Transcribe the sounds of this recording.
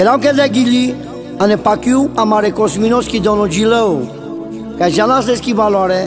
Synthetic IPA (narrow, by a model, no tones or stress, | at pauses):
ɛɾãw̃kɛd̪ɛɡili | ɐ̃nɛpakiwamaɾɛkɔsminɔskid̪ɔ̃nɔd͡ʒiləw | kaʒalãs̬d̪eskibalɔaɾɛ